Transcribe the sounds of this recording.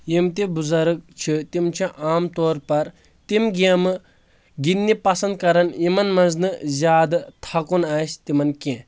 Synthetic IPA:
jimt̪ibuzɐɾɨk̚t͡ʃʰit̪imt͡ʃʰiʔaːmt̪oːɾpɐɾ | t̪imɡiɐmɨ | ɡinːipɐsɐnd̪̚kɐɾɐnimɐnmɐnznɨzʲaːd̪t̪ʰakunaːst̪imɐnkẽ

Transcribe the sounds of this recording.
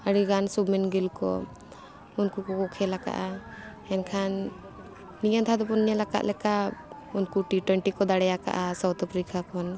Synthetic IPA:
aɽiɡansubmɛnɡilkɔ̰ | unkukɔkɔkʰɛlaka̰ʔa | ɛnkʰanː | ijant̪ʰad̪ɔpɔnɲɛlaka̰ʔ̪lɛka | unkuʈit̪wɛɳʈikɔd̪aɽɛjaka̰ʔasawt̪apʰɾikakʰɔn

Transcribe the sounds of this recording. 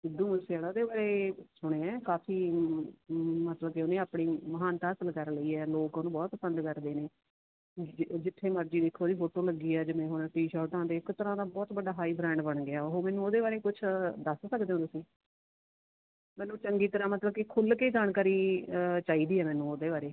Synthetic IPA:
ɪd̪ːũːməseɛːɽoːd̪eːbaːɾeːsʊɽ̃ẽːɛ̃ːkaːfʰiː | mət̪ləbkeʊnẽːaːpɳiːməɦaːnt̪aːəsəlkəɾləiːɛːloːkoːnũːbɔːt̪̚pəsə̃nd̪kəɾd̪eːneː | d͡ʒɪt̪ʰːeːməɾd͡ʒiːd̪eːkʰːoːd̪iːpʰoːʈoːləɡiːɛːd͡ʒemɛ̃ːɦonʈiːʃaːʈãːd̪eɪkt̪əɾãːd̪aːbɔːt̪bəɖaːɦaːiːbɾɛ̃ːɳɖbəɳɡɪaːoɦoːmɛ̃ːnũːoːd̪eːbaːɾeːkʊt͡ʃʰd̪əssəkd̪eõːt̪ʊsĩː | mɛ̃ːnũːt͡ʃəŋɡiːt̪əɾãːmət̪ləbkekʰʊlkeːd͡ʒaːɳkaːɾiːt͡ʃaːiːd̪iːɛːmɛːnːũːoːd̪eːβaːɾeː

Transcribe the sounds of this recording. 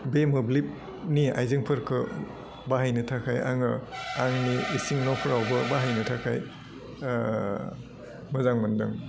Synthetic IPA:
bemɯblip̚ | nia̰jzɯŋpʰɯɾkʰɯ | baɦajnɯtʰakʰaja̰ŋɯaŋniːsiŋnɔpʰɯɾawbɯbaɦajnɯtʰakʰaj | mɯzaŋmɯndɯŋ

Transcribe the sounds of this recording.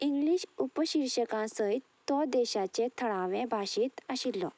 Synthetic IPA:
iŋɡliɕupəɕiɾɕəkãsəj | t̪ɔd̪ɛɕat͡ɕet̪ʰəɭãʋɛ̃bʱaɕiːt̪əɕilːɔ̰

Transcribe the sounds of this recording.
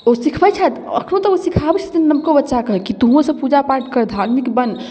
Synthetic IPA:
osikʰbəjt͡ʃʰat̪ə̰kʰnõt̪ɔosikʰabɛt͡ʃʰət̪innəmkobətːʃakəɦkit̪uɦõsəbpud͡ʒapaɾʈkəɾd̪ʱaɾmikbən

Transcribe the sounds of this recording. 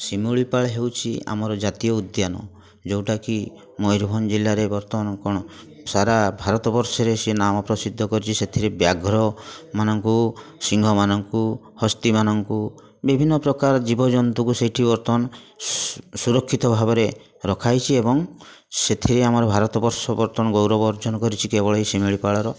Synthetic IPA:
simuɭipaɭɦewt͡ʃʰia̰mɔɾɔd͡ʒat̪ijɔud̪janɔ̰ | d͡ʒowʈaki | mɔjɾbʱɔnd͡ʒilːaɾebɔɾt̪ɔnkɔɽ̃ɔ | saɾabʱaɾɔt̪ɔbɔɾsɔɾesenamɔpɾɔsid̪ʱːɔkɔɾit͡ʃʰiset̪ʰiɾebjaɡɾɔmanɔŋkusiŋɡʱɔmanɔŋku | hɔst̪imanɔŋku | bibʱinːɔpɾɔkaɾɔd͡ʒibɔd͡ʒɔnt̪ukusejʈʰibɔɾt̪ɔn | suɾɔkʰːit̪ɔbʱabɔɾe | ɾɔkʰajt͡ʃʰiebɔŋ | set̪ʰiɾeamɔɾɔbʱaɾɔt̪ɔbɔɾsɔbɔɾt̪ɔnɔɡowɾɔbɔɾd͡ʒɔnɔkɔɾit͡ʃʰikebɔɭɔisemiɭipaɭɔɾɔ

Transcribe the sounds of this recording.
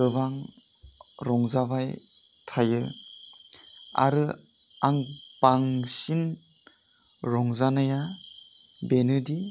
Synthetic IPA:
ɯbaŋ | ɾɔŋzaβaj | tʰajɯ | a̰ɾɯ | aŋbaŋsin | ɾɔŋzanɯja | benɯdi

